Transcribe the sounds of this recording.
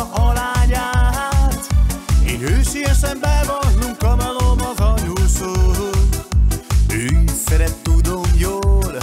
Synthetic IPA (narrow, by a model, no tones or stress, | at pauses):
ʔɒlaːɲaːɦaːt̪ḛːnhøːʃeːjɛʃɛmbɛvɒnːukɒmɛlomɒɡɒjoːlsoːɦoz | ønsɛɾɛt̪ːud̪omjoːl